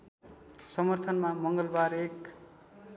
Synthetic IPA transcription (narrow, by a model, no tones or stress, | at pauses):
sʌmʌrt̪ʰʌnmamʌŋɡʌlbaɾek